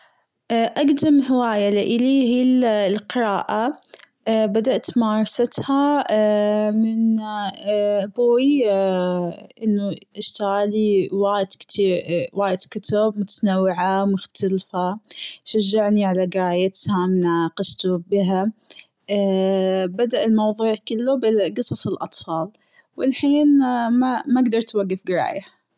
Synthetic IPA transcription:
ʔʔaɡd̪amhɪwaːjalɪʔɪlihillqɪɾˤaːʔa | bad̪aʔt̪mɑːɾˤɑsat̪ha | mɪn | boːj | ʔɪnːuʔɪʃt̪aɣaliwaːjd̪kt̪iːɾwaːjɪd̪kʊt̪abmʊt̪anawːɪʕamʊxt̪alfaʃaʒːaʕniʕalaɡɾaːjat̪hamnaqɑʃt̪ubɪɦa | bad̪aʔɪlmɑwðˤuːʕkɪlːubɪɡɨsˤɑsˤɪlʔɑ̰t̪ˤfɑːl | wɪlħiːnmamaɡd̪ɑɾˤt̪waɡːɪfɡɪɾˤa̰ːja

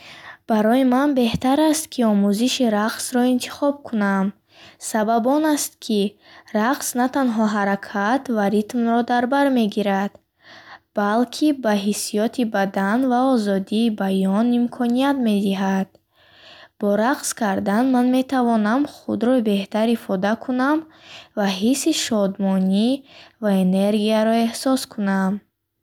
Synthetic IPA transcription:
b̥aɾɔimanbe̞ht̪aɾast̪kʰiɔmuziʃiɾaqsɾɔint̪ʰi̥χɔb̚kʰunam | sababɔnast̪̚kʰiraqsnat̪anɦɔɦaɾakʰat̪vaɾit̪mɾɔd̪aɾbaɾme̞ɡiɾad̪̥ | b̥alkʰibaɦisijɔt̪ʰibad̪anvaɔzɔd̪iːbajɔnimkʰɔnijat̪me̞d̪iɦad̪̥ | b̥ɔɾaqskʰaɾd̪anmanme̞t̪ʰavɔnamχṵd̪ɾɔbe̞ht̪aɾifɔd̪akʰunamvaɦisːiʃɔd̪mɔnivaeneɾɡiaɾɔe̞hsɔskʰunam

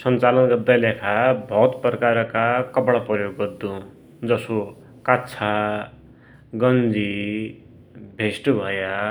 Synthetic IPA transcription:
sʌnt͡salʌnɡʌrd̪ajlakʰabʱʌt̪prʌkaɾkakʌbɽaprʌjoɡːʌrd̪ũ | d͡zʌso | katːt͡sʰa | ɡʌnd͡zi | bʱesʈbʱʌja

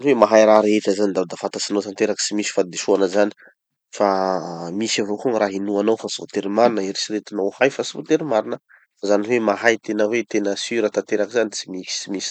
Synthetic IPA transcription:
anivemaɦajɾaɾetazanid̪ad̪afant̪asinowt̪ant̪eɾaki̥t͡simisi̥fad̪eʃuanəzani̥ | famisavokuŋraɦinuanawfasivot̪eɾimaɾinəiɾisiɾet̪inawhajfasivot̪eɾimaɾinə | fazanivemaɦajt̪enəwet̪enəsyɾət̪ant̪eɾakizanit͡simiki̥simisi̥

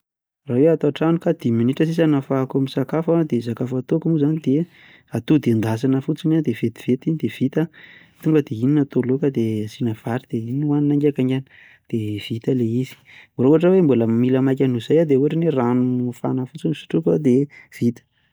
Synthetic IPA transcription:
raweat̪oaʈ͡ʂanukad̪̥iminiʈ͡ʂəsisanafakomisakafad̪es̬akafat̪okmuzanid̪e | at̪ud̪end̪asanəfut͡sinad̪ev̥et̪i̥v̥et̪inid̪ev̥it̪a | t̪uŋɡəd̪eininat̪olokad̪esinav̥aɾid̪̥einwaninaŋɡʲakaŋɡanə | d̪̥ev̥it̪əleizi̥moɾoaʈ͡ʂəwembuləmiləmajk̬ʲanuz̥ajad̪euɾeneranuufanəfut͡sinisi̥ʈ͡ʂukad̪ev̥it̪ə̥

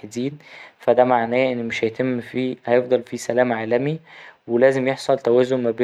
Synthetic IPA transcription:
ħed̪iːnfæd̪æmaʕnæːʔenːmeʃhæjet̪emːfiːhæjefd̪ˤɑlfisælæːmʕaːlæmiwelæːzemjeħsˤɑlt̪æwæːzːommæbeː

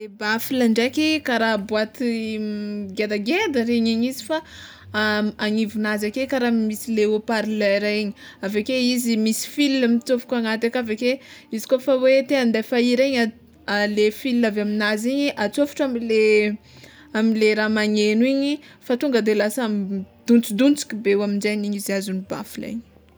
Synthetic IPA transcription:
ebafilaɳɖ͡ʐekikaɾabuat̪i | ɡed̪aɡed̪əɾeɲiɲizifa | aŋivunazakekaɾamisileopaɾilaɾaiɲi̥ | avekeizimisi̥filinamit͡sofu̥kʲaŋat̪akavekeizikofawet̪eand̪afaiɾeɲa | alefilinavaminaziɲiʔat͡sofi̥ʈ͡ʂamile | amileɾamaɲeniɲifat̪uŋɡəd̪elasamd̪̥unt͡sid̪unt͡si̥kʲibewaminzajniɲiziazuniba̰filḛɲi̥

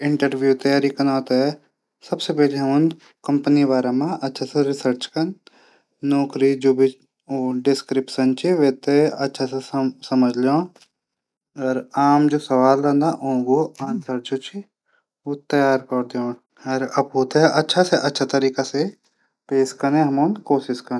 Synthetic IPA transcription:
ɪ̃ɳʈəɾʋjut̪ɐjaːɾikɐnaːt̪aɦɛ | sɐbsepɛɦleɦʊ̃n | kɐ̃mpənibaːɾamãʔɐtːʃʰaseɾɪsəɾt͡ʃkɐn | nɔːkɾid͡ʒoːbʱi | oːɖɪskɾɪpʃənt͡ʃiʋeːt̪eɐtːʃʰasesɐməd͡ʒʱlõː | ɔːɾaːmd͡ʒoːsɐʋaːlɾɐ̃nd̪aʔõːɡoãːnsəɾd͡ʒoːt͡ʃi | ot̪ɐjaːɾkɐɾd̪eõː | ɐɾɐbɦoːt̪aɦɛʔɐtːʃʰaseʔɐtːʃʰat̪ɐɾiːkase | peːʃkɐɾnẽɦɐmõnkoːʃɪskɐɾ

